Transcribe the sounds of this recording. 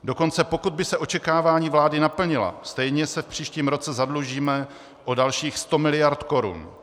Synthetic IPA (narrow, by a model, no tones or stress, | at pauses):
do̞ko̞nt͡sɛpo̞kud̪̚bɪsɛʔo̞t͡ʃɛkaːvaːɲiːvlaːdɪnapl̩ɲɪla̰st̪ɛjɲɛsɛfpr̥iːʃciːmɾo̞t͡sɛzadluʒiːmɛ | ʔo̞dalʃiːxst̪o̞mɪlɪjaɾt̪ko̞ɾṵn